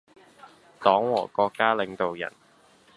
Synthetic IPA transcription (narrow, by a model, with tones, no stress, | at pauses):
t̪ɔː˨˥ŋwɔː˨˩kɔː˧kːaː˥lɪ˨˧ŋt̪o˨wjɐ̰˨˩n